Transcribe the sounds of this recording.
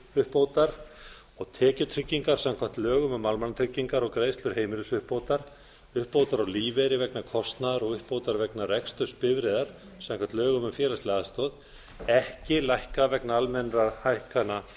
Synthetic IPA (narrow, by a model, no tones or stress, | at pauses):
ʏhpowt̪aɾ̥ | ɔɣt̪ʰɛːcʏt̪ʰɾʏcːiŋkaɾ̥samkʰvam̥n̥t̪lœːɣʏmʏmːalmanat̪ʰɾʏcːiŋkaɾɔɣkɾeːjst̪lʏɾ̥heːjmɪɾʏsʏhpoːwt̪aɾ̥ | ʏhpːowt̪aɾɔɣliːvɛɾɪvɛknakʰɔst̪naðaɾɔɣʏhpowt̪aɾvɛknarɛkst̪ʏspɪvɾɪðaɾ̥ | samkʰvant̪lœːɣʏmʏmfjɛːlast̪ɛːðast̪ɔːð | ɛhcɪlajhkavɛknaalmɛnrahajhkana